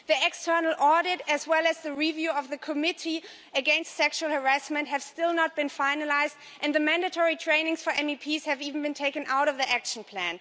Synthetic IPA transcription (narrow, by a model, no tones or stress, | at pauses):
ðiɛkstʰɜ˞nl̩ˠɔɹɾɪɾɨzwɛlˠɨzðɨɹivjʉʌvðɨkʰɨmɪɾi | ɨɡɛ̃nstsɛkʃuəlˠhə˞æsmɨ̃nt̚hɨv̥stɪlˠnət̚b̥ɨ̃nfaɪ̃nəlaɪzd | ʔɨ̃nðɨmæ̃ndɨtʰɔɹitʰɹ̥ẽɪ̃nɪ̃ŋz̥fə˞ʔɛ̃mipʰiz̥hɨvivn̩bɨ̃ntʰeɪkɨ̃nʔaʊɾʌvðiʔækʃn̩pʰl̥æ̃n